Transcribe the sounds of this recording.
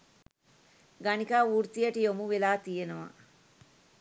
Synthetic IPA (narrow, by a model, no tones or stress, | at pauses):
ɡɐnikaːuːɾt̪ijɐʈijomuʋilaːt̪ijenɐʋɐ̰